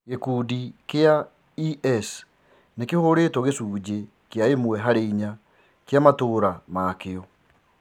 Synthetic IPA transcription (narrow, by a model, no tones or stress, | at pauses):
ɣekuːdikea | iʔɛs | nekehoɾetɔɣesuːd͡ʑe | keaemwɛɦaɾeiɲa | kejamatoːɾamaːkeɔ